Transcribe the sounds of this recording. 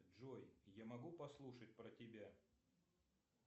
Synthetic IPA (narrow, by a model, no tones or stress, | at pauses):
ʐojjamɐɡupɐslˠuʂət̚ʲpɾətʲɪbʲa